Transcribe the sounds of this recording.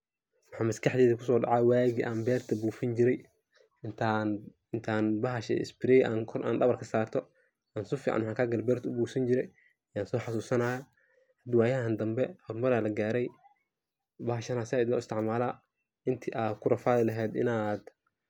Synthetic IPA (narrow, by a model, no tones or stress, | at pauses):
mɑħaːmɐskɐħd̪ɛːðɐkʰʊsɔːɖɑ̰ʕɑwaːɣiʔaːnbɛːrt̪ʰɐbuːfɪnd͡ʒɪɾɛj | t̪ʰa | ɪnt̪ʰaːnbɐɦɐʃɛ̰ɪ̰sbɪɾɛʔa̰ːnkʰɔrʔa̰ːnɖɐβɐrkʰɐsaːrt̪ʰɔ | ʔaːnsʊfiːʕa̰nwħaŋkʰaɡɐlbɛːrt̪ʰɐʊbuːsɐnd͡ʒɪɾɛj | jaːnsɔːħɑsuːsɐnaːja | hɐd̪waːjɐɦand̪ɐmbɛhɔrmɐɾaːlɐɡaːɾɛj | bɐɦɐʃɐnaːsɪaːɪd̪lɐɪst̪ʰɪʕmaːlaː | ʔɪnt̪ʰiʔaːkʰʊɾɐfaːðɪlɐɦɛːd̪ɪ̰naːd̪